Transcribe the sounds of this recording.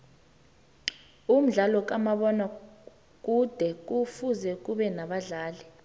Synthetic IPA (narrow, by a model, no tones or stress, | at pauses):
um̩ɮalɔk̬amaɓɔna | k̬ʼud̥ʱɛk̬ufuzɛk̬uɓɛnaɓaɮaːlɛ